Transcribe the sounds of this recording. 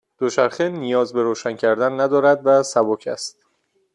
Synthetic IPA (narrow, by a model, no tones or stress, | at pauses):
d̪̥oʃæɾxenijɒːzbeɾoːʃæncʰæɾd̪ænːæd̪ɒːɾæd̪væsæbocʰæ̰st̪̚